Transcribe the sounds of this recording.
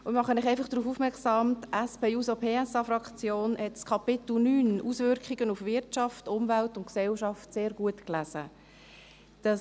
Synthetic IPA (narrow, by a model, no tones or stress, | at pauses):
ʊmɑχənɪχɛɪfɑχd̥ɾuːfufmɛksɑːmtæspʰeːuːsopʰeːɛsɑfrɑkt͡sjoːnhɛtskʰɑpɪtl̩nyːnusvʏɾkχiɡ̥ənufʋɪtʃɑftʊmvæltʊntksɛlʃɑftseːɾɡ̥uətklæz̥ə̰ | d̥ɑ